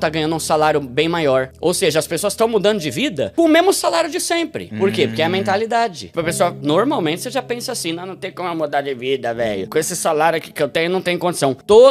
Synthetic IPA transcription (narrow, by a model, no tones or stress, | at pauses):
t̪aɡɐ̃ɲ̃ɐ̃nd̪ʊũsalaɾjʊbẽj̃majɔɾo̰wseʒɐɐspesoɐst̪ɐ̃w̃mud̪ɐ̃nd̪ʊd͡ʒɪvid̪ɐ̰kõmẽmʊsalaɾjʊd͡ʒɪsẽpɾɪ̰poɾkepoɾkɪɛɐmẽnt̪alid̪ad͡ʒɪ̰ɐpesoɐnoɾmawmẽnt͡ʃɪ̥seʒapẽsɐasĩnɐ̃w̃nɐ̃w̃t̪ẽj̃kõmɛmud̪aɾd͡ʒɪvid̪ɐvɛ̰ʎʊkõesɪsalaɾjʊkɪkɪewt̪ẽj̃ʊnɐ̃w̃t̪ẽj̃ʊkõd͡ʒɪ̥sɐ̃w̃t̪o